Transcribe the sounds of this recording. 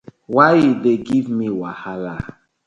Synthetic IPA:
waideɡivmiwahala

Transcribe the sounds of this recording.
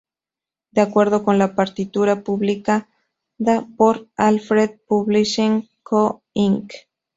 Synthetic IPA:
d̪̥eakwe̞ɾðoko̞nlapaɾt̪it̪uɾapuβlika | ðapoɾalfɾeð̚puβliʃeŋkʰo | iŋk

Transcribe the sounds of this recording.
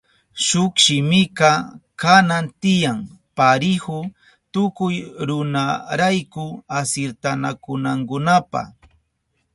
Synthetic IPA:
ʃʊkʃɪmɪkɑkanant̪ɪjaŋpaɾɪhʊ | t̪ʊkʊjɾʊnaɾajkʊasɪɾt̪anakʊnaŋkʊnapa̰

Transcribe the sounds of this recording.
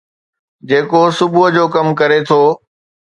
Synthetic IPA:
d͡ʑeːkosʊbʊɦəd͡ʑoːkɐmkɐɾet̪ʰoː

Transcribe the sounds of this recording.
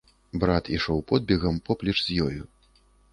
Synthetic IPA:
bɾat̪iʂɔwpɔd̪̚bʲɛɣɐmpɔplʲɛt͡ʂzʲjɔju

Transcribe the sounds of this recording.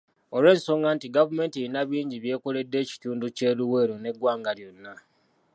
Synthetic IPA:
oɾwe̞ːnso̞ːŋɡantiɡavume̞ːntiinaβiːɲɟiβje̞ːkole̞dːe̞ːci̥tuːnduce̞luwe̞ːɾone̞ɡwaːŋɡaljonːa

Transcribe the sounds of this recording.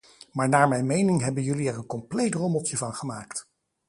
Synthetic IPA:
maːɹnaːɹmɛjnmejnɪŋɦɛbənjɵliɛrənkɔmplejtrɔmɔtəvɑnχəmaːkt

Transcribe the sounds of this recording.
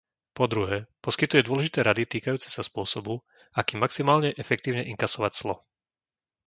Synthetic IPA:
pɔd̪ɾuɦɛːpɔskit̪ujɛd̪ʊɔlɛʒit̪ɛːɾad̪it̪iːkajuːt͡sɛ̥saspʊɔsɔbu | akiːmːaksimaːlɲɛʔɛfɛk̚t̪iːʊɲɛʔiŋkasɔʋacz̥lɔ

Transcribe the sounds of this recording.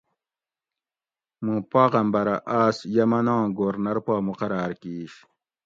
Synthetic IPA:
mũːpaːʁɐmbɐɾɐʔaːsjɐmɐnãːɡoːɾnɐɾpaːmuqɐɾaːɾkiːɕ

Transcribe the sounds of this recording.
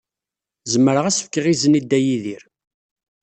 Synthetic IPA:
zəmːəɾəʁæsə̥fkəʁizənid̪ːæjiðiɾ

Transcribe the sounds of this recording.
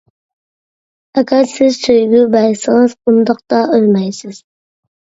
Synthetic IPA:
ɛkʰʲɑsɪzsøjɡʲybæjsɪŋɨz̥qʊnd̪ɑqt̪ɑʔølmɛjsɪz̥

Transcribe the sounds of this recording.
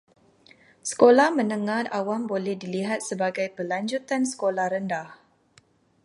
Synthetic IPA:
sə̥kolahmə̃nəŋãnawambolɛhdiliɦat̪̚səbaɡajpəlaɲd͡ʒut̪ansə̥kolahɾəndah

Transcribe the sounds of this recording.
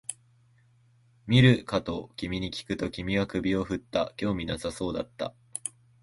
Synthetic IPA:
mʲiɾɯ̟kat̪o̞kʲimʲiɲ̟ikʲi̥kɯ̟t̪o̞kʲimʲiɡakɯ̟bʲio̞ɸɯ̟t̪ːa̰kʲo̞ːmʲinasaso̞ːd̪at̪ːa̰

